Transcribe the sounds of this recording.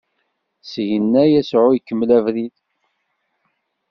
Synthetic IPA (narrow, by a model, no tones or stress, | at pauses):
sʝənːæjæsʕʊjəkːəmːlævɾið